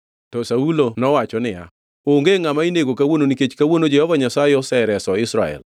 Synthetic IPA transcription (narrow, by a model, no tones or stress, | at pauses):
tɔsaulonɔwat͡ʃɔnɪja̰ | oŋɡeŋamaineɡokawononiket͡ʃkawonod͡ʒɛhɔvaɲasaɪɔsɛɪɾɛsɔɪsɾaɛ̰l